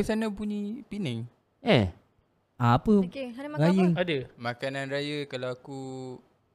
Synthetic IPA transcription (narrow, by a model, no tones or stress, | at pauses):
isanãpuɲipinɛŋ | ɛ | aːpəajəŋadəmakananrajəkalawaku